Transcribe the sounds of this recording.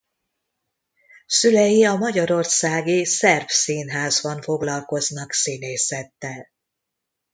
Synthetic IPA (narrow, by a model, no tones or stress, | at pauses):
sylɛjiɒmɒɟɒɾo̞rsaːɡisɛrfsiːnɦaːzbɒɱfo̞ɡlɒlko̞znɒksineːsɛt̪ːɛl